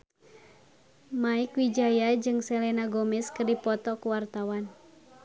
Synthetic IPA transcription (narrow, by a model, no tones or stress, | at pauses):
maɪkwid͡ʒajad͡ʒɨŋsɛlɛnaɡomɪskɨrdipɔt̪ɔkuwart̪awan